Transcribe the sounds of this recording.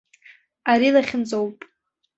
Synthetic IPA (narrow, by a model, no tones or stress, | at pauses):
aɾilaχʲɪnt͡sʼowpʼ